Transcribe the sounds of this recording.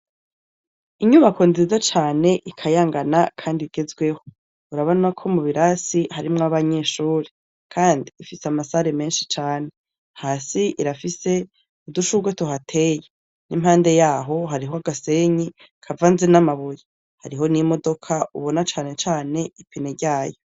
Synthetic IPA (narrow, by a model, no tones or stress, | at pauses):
iɲuβako̞nzizat͡ʃaːne̞ʔikʰajaːŋɡanakʰaːndiɡe̞zɡwe̞ho̞ | uɾaβonakʰo̞muβiɾasihaɾimŋaβaɲeːʃuːɾi | kʰaːndiːfiseamasaɾeme̞ːnʃi̥t͡ʃaːne̞ | haːsiʔiɾafise̞ | uduʃuɡwetuɦatʰe̞ːje | nim̥haːnde̞jaːɦo̞ɦaɾiɦoaɡase̞ɲi | kʰavaːnzinamaβuje | haɾiɦo̞nimo̞do̞kʰauβo̞nat͡ʃaːne̞t͡ʃaːne̞ipineɟaːjo̞